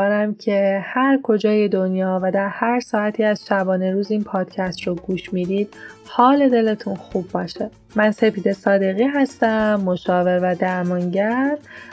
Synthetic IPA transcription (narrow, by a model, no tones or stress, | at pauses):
ɾæmcʰe̞hæɾkʰo̞d͡ʒɒːje̞d̪o̞njɒːvæd̪æɾhæɾsɒːæt̪ʰiːæz̥ʃæbɒːne̞ɾuːziːnpʰɒːd̪̥cʰæst̪ɾoɡuːʃmiːd̪iːd̪̥̚hɒːle̞d̪e̞le̞t̪ʰunxuːbːɒːʃe | mænse̞piːd̪esɒːd̪e̞ɣiːɦæst̪æmːoʃɒːve̞ɾvæd̪æɾmɒːŋɟæɾ